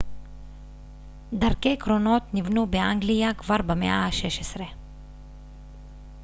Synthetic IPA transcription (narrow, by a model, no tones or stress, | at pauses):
d̪aɾkejkɾono̞t̪nivnubeʔaŋɡlijakvaɾbamḛʔahaʃeʃesɾe